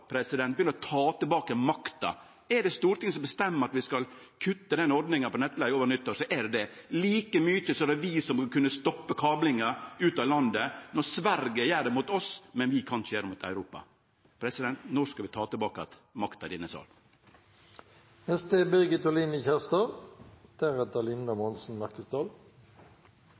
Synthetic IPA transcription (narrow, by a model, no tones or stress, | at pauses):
pʰɾɛsɪd̪ɛnt̪̚bəjʏnəɾɔt̪ʰɑːt̪ɪlbɑːkəmɑkt̪ɑ̰ | ɛɖɛst̪uːɾt̪ɪŋsɔmbəst̪ɛmːəɾɑt̪ʋɪskɑl | kʰʉt̪ːəd̪ɛnɔɾd̪nɪŋənpɔnɛt̪ːlæɪoːʋəɾnʏt̪ːɔʂɔʔɛɖd̪ɛliːkəmyːt̪əsɔɛɖɛʋɪsɔmkʉnːəst̪ɔpːəkʰɑːblɪŋəʉːt̪ɑːlɑnd̪ənɔɾsʋæɾɡəjæːɖɛmuːt̪ɔsmɛnʋɪkʰɑnʂəjæːɾəmuːt̪ʰæ̰ʉɾuːpɑ̰ | pʰɾɛsɪd̪ɛnt̪nɔskɑʋɪt̪ʰɑːt̪ɪlbɑːkəɑ̰t̪mɑkt̪ɑd̪ɪnːəsɑ̰ːl | hɛst̪əbɛɡət̪ɔlinəçæʁst̪ɑːd̪̥æɾɛt̪ɑlɪnd̪ɑmɔnsn̩mæʁkəsd̪ɑːl